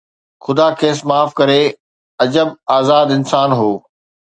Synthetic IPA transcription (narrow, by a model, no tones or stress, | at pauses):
xʊd̪aːkʰeːsmaːfkɐɾe | ɐd͡ʑəbaːzaːd̪ɪ̃nsaːnɦoː